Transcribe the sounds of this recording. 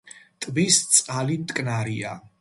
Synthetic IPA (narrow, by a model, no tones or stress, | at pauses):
t̪ʼbist̪sʼqʼalimt̪ʼkʼnaɾia